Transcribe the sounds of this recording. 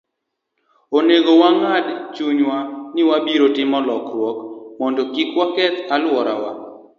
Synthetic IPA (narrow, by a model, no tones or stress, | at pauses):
oneɡowaŋadt͡ʃuɲwanɪwabiɾotɪmɔlɔkɾwɔkmɔndɔkikwakɛt̪alwɔɾa̰wa̰